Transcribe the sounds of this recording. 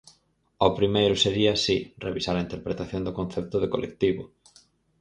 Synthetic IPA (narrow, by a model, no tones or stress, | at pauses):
opɾimejɾʊseɾiasirḛβisaɾaint̪eɾpɾet̪aθjond̪ʊkõnθep̚t̪ʊðekolʔḛk̚t̪iβʊ